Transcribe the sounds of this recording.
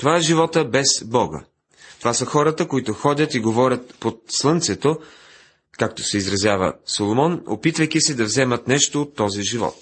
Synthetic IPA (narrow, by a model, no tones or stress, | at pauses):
t̪ovaɛʒivɔt̪əbɛzbɔɡə̰ | t̪ovasəxɔɾət̪əkoit̪oxɔd̪ʲət̪iɡovɔɾʲət̪̚pot̪slˠɤnt̪sɛt̪o | kak̚t̪o̥sɛizɾɐzjavə̰solˠomɔno̰pit̪vəjkisɛd̪ɐvzɛmət̪nɛʃt̪oot̪ːɔziʒivɔ̰t̪̚